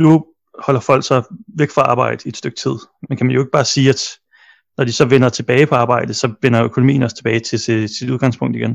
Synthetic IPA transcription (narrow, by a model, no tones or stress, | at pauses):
nu | hɒ̽lɐfɒ̽l̰ɡ̥sɑ̈ɪʋeɡ̥fʁɑ̈ɑ̈ːb̥ɑ̈ɪ̰d̥əied̥sd̥øɡ̥̚t͡sʰið̰ˠmenkʰæmænjoe̝ɡ̥̚b̥ɑ̈ːsiːæd̥ | nɒd̥isɒ̽ʋen̰ɐt͡sʰe̝b̥ɛːɪpʰɒ̽ɑ̈ːb̥ɑ̈ɪ̰d̥ð̩ˠsɒ̽ʋen̰ɐøkʰo̝nomḭːnɒ̽st͡sʰe̝b̥ɛːɪt͡sʰe̝sesiduð̞ˠɡ̥ɑ̈ŋspʰɔ̽ŋ̰d̥ˠiɡ̥en